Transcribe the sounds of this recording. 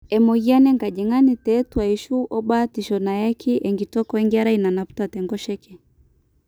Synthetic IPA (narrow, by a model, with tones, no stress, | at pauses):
ɛ˨mɔ˨ɣi˦a˦nɛ˦ŋɡa˨d͡ʒɛ˨ŋa˦ni˨tɛː˦twa˨i˨ʃu˦ʔɔ˦ɓa˦ti˨ʃɔ˨na˨ja˦kʰi˦ʔɛ˨ŋɡi˨tɔ˦kɔ˦ɛ˦ŋɡa˦ɾa˦ina˨na˨pu̥˦ta˨tɛ˨ŋɡɔ˦ʃɛ˦kɛ˨